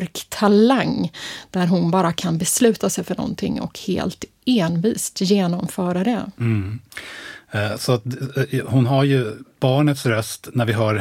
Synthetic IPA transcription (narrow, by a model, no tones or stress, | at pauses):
ɾkt̪ʰːalaŋːd̪̥æɾɦʊnbɑːɾakʰanbɛslʉ̟ːt̪asɛjfœɳɔ̰nt̪ʰɪ̰ŋːɔ̰khḛːlt̪ | eːnviːst̪jeːnɔmfœːɾad̪ɛ | sɔat̪̚hʊnɦaɾjɵb̥ɑːɳət̪sɾœst̪næɾvɪɦœːɾ